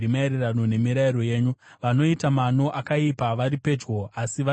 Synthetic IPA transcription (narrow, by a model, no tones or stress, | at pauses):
imaeɾerano̞ne̞miɾaiɾo̞je̞ːɲuʋano̞itamano̞ʔakaipaʋaɾipe̞ːd͡ʒɡo̞asiʋa